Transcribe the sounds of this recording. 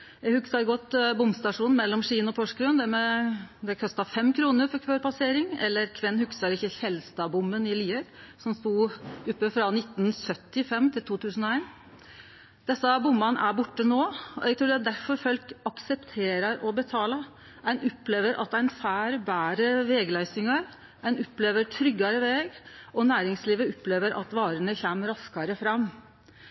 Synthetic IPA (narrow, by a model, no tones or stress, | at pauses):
jæɡhʉksɑɾɡɔt̪ːbʊmst̪ɑʂuːnn̩mɛlːɔmʂiːənɔpʰɔʂkɾʉnd̪ɛmɛd̪ɛkʰɔst̪ɑfɛmːkʰɾuːnəɾfɔɾkʰʋøːɾpɑseːɾɪŋɛ̰lːəɾkʰʋɪnːhʉksɑɾɪçːəçɛlst̪ɑbʊmənɪliːəɾsɔmst̪uːʉpːəfɾɑnɪt̪ːn̩sœt̪ːɪfɛmt̪ʰɪlt̪ʰuːt̪ʰʉːsən̩ɔeɪn | d̪̥ɛsːɑbʊmːɑnʔæbʊʈːənoːɔɛɡt̪ʰɾuːɖɛd̪æɾfɔɾfœlkɑksɛpt̪ʰeːɾəɾɔbət̪ʰɑːləɾ | æɪnɔpːleːʋəɾʔɑt̪æɪnfæːɾbæːɾəʋɛːɡlæɪsɪŋɑɾ | æɪnʊpːleːʋəɾʈ̪ʰɾʏɡːɑɾəʋeːɡʔɔnæːɾɪŋsliːʋəʊpleːʋəɾʔɑ̰t̪ʋɑːɾəɳəçɛmɾɑskɑɾəfɾɑmː